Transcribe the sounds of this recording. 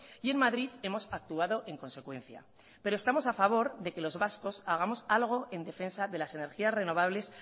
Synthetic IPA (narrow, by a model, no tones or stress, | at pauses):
ie̞nmaðɾiðe̞mo̞sak̚t̪uaðo̞ʔe̞ŋko̞nse̞kwẽ̞n̟θja̰ | pe̞ɾo̞e̞st̪amo̞safaβ̞o̞ɾðe̞ke̞lo̞zβasko̞saɣ̞amo̞salɣ̞o̞ʔe̞nd̪e̞fe̞nsaðe̞lase̞ne̞ɾxiasre̞no̞β̞aβ̞le̞s